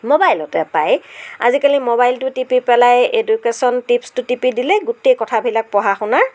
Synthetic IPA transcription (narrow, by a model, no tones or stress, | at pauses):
mobajlɔtɛpaja̰zikalimobajltʊtipipɛlajedukesɔntipstʊtipidilɛɡutejkɔtʰabʱilak̚pɔɦaxʊna